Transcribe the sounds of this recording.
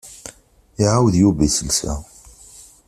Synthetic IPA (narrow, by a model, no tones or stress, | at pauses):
iʕawðjubisəlsæ̰